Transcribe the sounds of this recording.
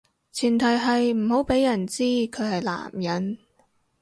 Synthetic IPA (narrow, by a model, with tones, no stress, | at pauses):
t͡sʰiː˨˩nt̪ʰɐ˨˩jɦɐ˨jm̩˨˩ɦo˨˥wpe˨˥jːɐ˨˩nt͡siː˥kʰɵ˨˧hɐ˨jla̰ː˨˩mjɐ˨˥n